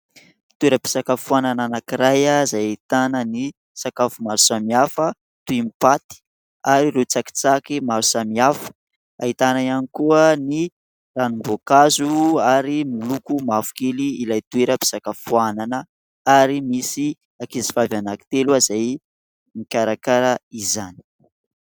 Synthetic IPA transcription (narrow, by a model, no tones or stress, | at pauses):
t̪ueɾəpi̥sakafuanananakiɾajazajait̪anəni | sakafumaɾusamiafə | t̪uimipat̪i̥ | aɾiɾut͡saki̥t͡sakimaɾu̥samiafə̥ | ait̪anaianikuəni | ranumbokazuaɾimulukumafu̥keliilajt̪ueɾəpi̥sakafuananə | aɾimisi | akizi̥favanaki̥t̪elazaj | mikʲaɾakaɾəizani̥